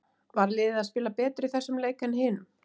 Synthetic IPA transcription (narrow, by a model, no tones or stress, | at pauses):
vaɾlɪːðɪðaðspɪːlapɛːt̪ɾɪθɛsːʏmleːjkanhɪːnʏm